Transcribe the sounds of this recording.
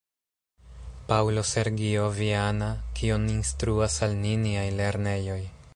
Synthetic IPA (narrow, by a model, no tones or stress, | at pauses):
pawlo̞se̞ɾɡio̞vianakʰioninstɾuasalniniajle̞ɾne̞jo̞j